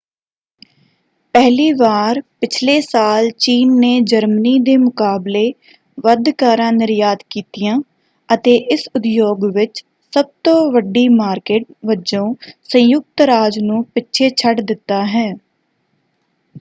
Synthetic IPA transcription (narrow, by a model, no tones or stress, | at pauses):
pɛɦliːʋaːɾpɪt͡ʃʰleːsaːlt͡ʃiːnːeːd͡ʒəɾməniːd̪eːmʊkaːbleː | ʋəd̪kaːɾãːnɪɾjaːd̪kiːt̪ɪjãː | ət̪eːʔɪsʊd̪joːɡʋɪt͡ʃ | səb̚t̪õːʋəɖːiːmaːɾkeːʈʋəd͡ʒõːsə̃jʊk̚t̪ɾaːd͡ʒnũːpɪtːʃʰeːt͡ʃʰəʈd̪ɪt̪ːaːɦɛː